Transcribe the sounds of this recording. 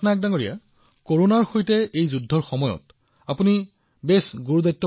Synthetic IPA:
nak̚daŋoɹija̰ | koɹonaɹxojtɛejzudʱːɔɹxɔmɔjɔ̰t | apuni | besɡuɹudajtːɔ

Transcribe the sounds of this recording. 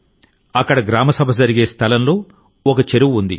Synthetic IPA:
ɐkːɐɽɐɡɾaːmɐsɐbʱɐd͡zɐɾiɡe̞ːst̪ʰɐlɐmlo̞ː | ɔkɐt͡ʃeɾuʋund̪ḭ

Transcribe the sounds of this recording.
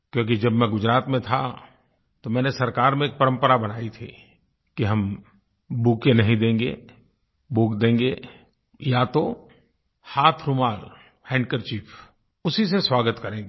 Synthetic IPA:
kjõːk̬id͡ʒɐbmɛ̃ɡʊd͡ʒɾaːt̪mẽt̪ʰa̰ | t̪omɛ̃ːnesɐɾkaːɾmẽeːk̚pɐɾə̃mpəɾabɐnaːit̪ʰḭː | kiɦɐm | buːkenɐɦĩd̪ẽːŋɡḛ | boːkd̪ẽːŋɡe | jat̪o | haːt̪ʰɾʊmaːl | hɛ̃ːɳɖkəɾt͡ʃiːpʰ | ʊsiseswaːɡət̪kɐɾẽː

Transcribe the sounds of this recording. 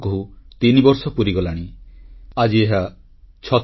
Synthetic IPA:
kɔɦut̪inibɔɾsɔpuɾiɡɔlaɽ̃i | ad͡ʒieɦa | t͡ʃʰɔ

